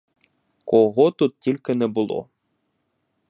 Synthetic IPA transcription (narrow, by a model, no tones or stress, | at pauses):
kɔɣɔt̪ut̪̚tʲilʲkɪnɛbʊlˠɔ̰